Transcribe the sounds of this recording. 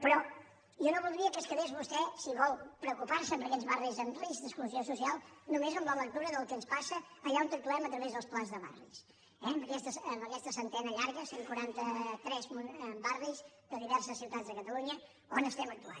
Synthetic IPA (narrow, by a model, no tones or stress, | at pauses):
pɾɔ | ʒɔnoβulˠd̪ɾiəkəskəɾesβust̪ɛsiβɔlˠpɾəukupaɾsəmbəɾkɛzβarizənrizðəskluziosusialˠnumezombaləkt̪uɾəðəlˠkənspasəːʎaunt̪ɾut̪ulɛmət̪ɾəβezðəlˠsplazðəβa̰rḭs | ɛmbəkɛst̪əsəmbəkɛst̪əsənt̪ɛnəʎaɾɣəseŋkuɾant̪ət̪ɾɛzmubariz | d̪əðiβɛɾsəsːiwt̪ad͡zzðəkət̪əluɲə | onəst̪ɛmək̚t̪ua̰